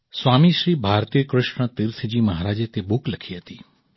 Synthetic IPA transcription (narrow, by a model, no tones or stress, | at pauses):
sʋaːmiʃɾiːbʱaːɾt̪ijəkɾɪʃɳət̪ɪɾt̪ʰd͡ʑiːmɐɦaːɾaːd͡ʒet̪ebʊklɐkʰiɦɐt̪iː